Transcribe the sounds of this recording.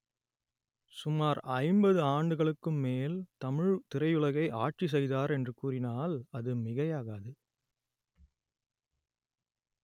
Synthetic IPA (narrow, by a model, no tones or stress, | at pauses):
sʊmaːɾɐɪmbɐðɯaːɳɖɯɣɐɭɯkːɯmːeːlt̪ɐmɪɻt̪ɪɾɐɪjɯɭɐɣɐɪʔaːʈ̚t͡ʃis̬ɛjðaːɾɛndrɯkuːrɪnaːlɐðɯmɪɣɐjaːɣaːðɯ